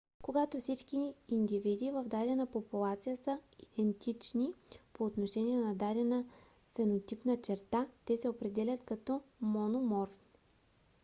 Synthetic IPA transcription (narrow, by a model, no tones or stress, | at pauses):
koɡat̪ofsit͡ʃkiːnd̪ivid̪ivɐvd̪ad̪ɛnɐpopulˠat̪sijəsəid̪̥ɛnt̪it͡ʃnipoːt̪noʃɛnʲiɛnɐd̪ad̪ɛnə | fɛnot̪ipnət͡ʃɛɾt̪at̪ɛsɛopɾɛd̪ɛlʲɐt̪kɐt̪ɔmonomɔɾ